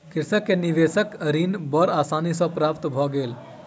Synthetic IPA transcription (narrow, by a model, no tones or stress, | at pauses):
kɪɾsəkːeniʋeːsəkɾinbɔɾaːsaːnisɔ̃pɾaːpt̪bʱɔɡeːl